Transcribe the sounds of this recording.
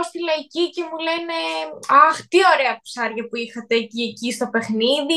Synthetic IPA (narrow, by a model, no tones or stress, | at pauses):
ost̪ilɐicice̞mule̞ne̞ɐxt̪io̞ɾe̞ɐpsɐɾʝɐpuixɐt̪e̞ciecist̪o̞pe̞xniði